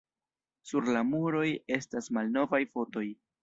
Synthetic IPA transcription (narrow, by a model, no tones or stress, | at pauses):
suɾlamuɾo̞je̞stasmalno̞vajfo̞to̞j